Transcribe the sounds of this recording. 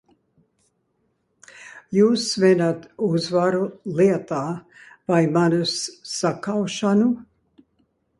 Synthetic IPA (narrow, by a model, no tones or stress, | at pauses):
juːsvɛnat̪uzvaɾuliɛt̪aːvajmanusːakawʃanu